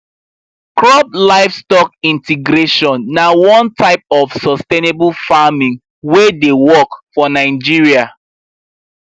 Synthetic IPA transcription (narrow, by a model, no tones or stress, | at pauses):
kɹɔb̚laɪfstɔk̚ĩntiɡɾeʃɔ̃nːawɔ̃ntʰaɪp̚ɔfsɔstenebulfamĩŋ | wedewɔkfɔnaɪd͡ʒiɹia